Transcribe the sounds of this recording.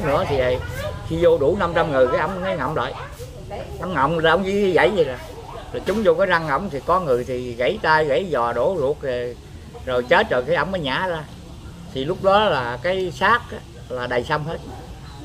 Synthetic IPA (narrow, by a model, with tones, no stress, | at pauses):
nɨ̰˧˥ət̪ʰi˨˩ə˨˩jxi˧zo˧ɗu˧˩na˧mt͡ɕa˧mŋɨ˨˩əjkaː˨˦jʔə˧wŋ͡mŋa˨˦ŋə̰˧˨wŋ͡mla̰ː˧˨j | ʔə˧˦wŋ͡mŋə̰˧˨wŋ͡mla˨˩ʔə˧˦wŋ͡mzḭ˧˥˦i˨˦ɣə̰˧˥jzə˨˩za˨˩ | laː˨˩t͡ɕʊ˨˦ŋ͡mzo˧kaː˨˦jza˧ŋŋə̰˧˩wŋ͡mt̪ʰi˨˩kɔ˨˦ŋɨ˨˩əjt̪ʰi˨˩ɣə̰˧˥jt̪aː˧jɣə̰˧˥jzɔ˨˩ɗo˧˩˦zu˨˩ək̚ve˨˩ | zo˨˩jt͡ɕe˦˥t̚zə˨˩kaː˨˦jʔə˧wŋ͡mʔəː˨˦jɲa̰ː˧˩˦zaː˧ | t̪ʰi˨˩lʊ˦˥k͡p̚ɗɔ˨˦laː˨˩kaː˨˦jsaː˦˥k̚a˨˦ | laː˨˩ɗə˨˩jsa˧wŋ͡mɦe˦˥t̚